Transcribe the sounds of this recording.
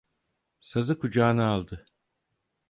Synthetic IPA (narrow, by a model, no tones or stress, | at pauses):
sazɯkʰud͡ʒaːnɯalˠd̪ɯ